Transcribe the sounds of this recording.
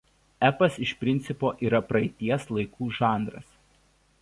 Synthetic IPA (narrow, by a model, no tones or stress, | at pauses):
æpɐsɪʃpʲɾʲɪnt̪sʲɪpoːʔiːɾɐpɾɐɪt̪ʲiɛslˠɐɪkʰuːʒɑːˑnd̪ɾɐ̰s